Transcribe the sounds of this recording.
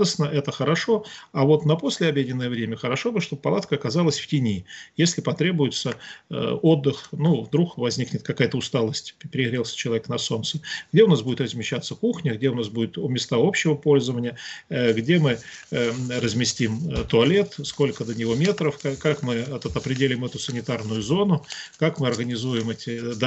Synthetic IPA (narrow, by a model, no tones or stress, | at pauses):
d̪əsnəʔɛt̪əxəɾɐʂo̞avo̞t̪nəpo̞sʲlʲɪɐbʲjedʲɪnːəjəvɾʲemʲəxəɾɐʂobɨʂt̪o̞b̚pːɐlˠat̪̚kəːkɐzalˠəsʲftʲɪnʲijesʲlʲɪpɐt̪ɾʲe̞bʊjɪt̪sə̰ | o̞d̪ːɨxnuvd̪ɾukvɐzʲnʲiknʲɪt̪kɐkajət̪əʊst̪alˠəsʲtʲpʲɪɾʲɪɣɾʲelˠsʲə̥t͡ɕɪlˠɐvʲeknɐso̞nt̪səɡdʲeʊnasbudʲɪt̪rəzmʲɪɕːat̪sːəkuxnʲəɡdʲe̞ʊnasbudʲɪt̪ʊmʲɪst̪ao̞pɕːɪvəpo̞lʲzəvənʲɪjəɡdʲe̞mɨ | rəzmʲɪsʲtʲimt̪ʊɐlʲe̞t̪sko̞lʲkəd̪ənʲɪvomʲe̞t̪ɾəfkakakmɨɐt̪ət̪əpɾʲɪdʲelʲɪɪmɛt̪ʊsənʲɪt̪arnʊjʊzo̞nʊkakmɨɐrɣənʲɪzujɪmɛtʲɪd̪